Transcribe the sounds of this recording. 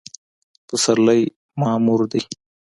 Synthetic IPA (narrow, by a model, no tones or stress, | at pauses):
pəsaɾlaj | mɑmuɾd̪i